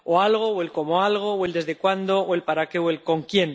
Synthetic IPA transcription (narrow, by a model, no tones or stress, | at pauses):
oalɣ̞o̞we̞lko̞moalɣ̞o̞we̞ld̪e̞zðe̞kwand̪o̞oe̞lpaɾake̞we̞lko̞ŋkje̞n